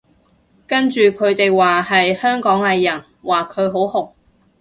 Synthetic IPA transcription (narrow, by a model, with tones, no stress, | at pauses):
kɐ˥nt͡ʃyː˨kʰɵ˨˧ɥt̪e˨jwaː˨hɐ˨jhœː˥ŋkɔː˨˥ŋhɐ˨jjɐ˨˩n | waː˨˩kʰɵ˨˧ɥɦo˨˥whʊ˨k̚